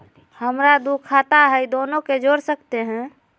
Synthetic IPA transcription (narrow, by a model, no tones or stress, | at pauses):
həmɾad̪ukʰat̪aɦəid̪oːnoked͡ʒoɽsəkt̪eɦɛ̃